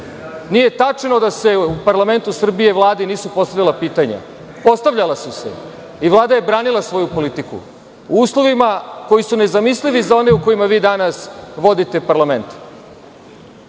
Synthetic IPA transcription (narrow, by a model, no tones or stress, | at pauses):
nije̞t̪at͡ʂno̞d̪ase̞upaɾlˠame̞nt̪usr̩bieʋlˠaːd̪iniːsupo̞st̪avʎʲalapiːt̪aɲa̰ | po̞st̪aʋʎʲalasusḛ | iʋlˠaːd̪aje̞bɾaːnilˠasʋo̞jupo̞lit̪ikṵ | uuːslˠo̞ʋimako̞jisune̞zamisliʋizao̞ne̞uko̞jimaʋiːd̪anasʋo̞d̪it̪epaɾlament̪